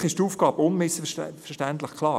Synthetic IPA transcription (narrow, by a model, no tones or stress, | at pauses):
χɪʃtuːfɡ̥ɑːbəʊnmɪsəfɛɾʃtænt̪ləχklɑː